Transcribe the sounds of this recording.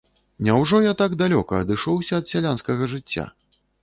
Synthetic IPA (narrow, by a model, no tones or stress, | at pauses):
nʲɛwʐɔjat̪aɡd̪alʲɔkɐːd̪ɨʂɔwsʲɐːt̪sʲalʲanskɐɣɐʐɨt͡sʲːa̰